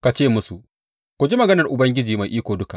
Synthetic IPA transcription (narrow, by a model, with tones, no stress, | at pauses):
ka˨t͡ʃeː˦˨mʊ˦su˨ʔ | kʷu˨d͡ʒi˦mɐ˨ɡɐ˦nɐ˨rʔʊ˨bɐ˦ŋɡʲɪ˦d͡ʒiː˨ma˨jʔiː˦kʷoː˨dʊ˦ka˨ʔ